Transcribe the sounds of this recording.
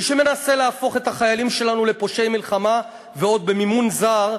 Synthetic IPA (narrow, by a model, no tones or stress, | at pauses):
iʃeme̞nase̞leafo̞χe̞t̪aχajalimʃe̞lanule̞poʃe̞jmilχama | veo̞d̪̚be̞mimunzaʁ